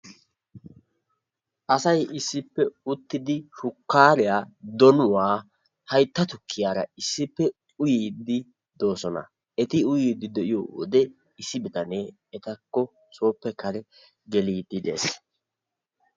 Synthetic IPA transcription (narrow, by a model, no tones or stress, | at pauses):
ʔɐsɐjʔɪsːɪpːɛʊt̪ːɪd̪ɪʃʊkːaːɾɪjaːd̪ɔnʊwaː | hɐjt̪ːɐt̪ʊkʰːɪjaːɾɐ̰ɪsːɪpːɛ | ʊjiːd̪ɪ | d̪o̞ːsɔnɐ̰ | ɛt̪ɪʊjiːd̪ːɪd̪ɛʔɪjo̰ːwɔ̰d̪ɛ | ɪsːɪbɪd̪ɐneː | ɛt̪ɐkːɔ | t͡sʼo̞ːpːɛkɐɾɛ | ɡɛliːd̪ɪd̪e̞̰ːs